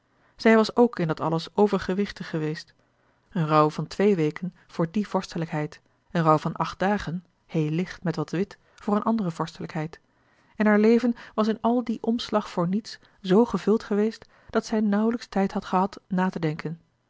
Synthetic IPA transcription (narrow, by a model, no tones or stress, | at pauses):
z̥ɛjʋɑsowkɪndɑtɑ̰ləsowvəɹχəʋɪχtəχːəʋejst | ənrʌwvɑntʋejʋejkən | v̥ʊːɹdiv̥ɔɹstələkɦɛjt | ənrʌwvɑnʔɑχt̚d̥aːχən | hejlɪχtmɛtʋɑtʋɪt | vʊːɹənʔɑndərəv̥ɔɹstələkɦɛjt | ɛnɦaːɹlejvənʋɑsɪnɑlˠdiʔɔmslɑχfʊːɹnits | z̥owχəvɵlˠtχəʋejst | d̥ɑtsɛjnʌwələkstɛjtɦɑtχəɦɑtnaːtədɛŋkən